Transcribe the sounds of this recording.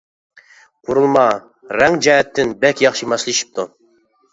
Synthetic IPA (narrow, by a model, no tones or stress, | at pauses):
qʰuɾulˠmɑ | ɾɛŋd͡ʒɛɦɛt̪ʰːɪnbɛkʲjɑχʃimɑslˠiʃi̥p̚t̪ʰu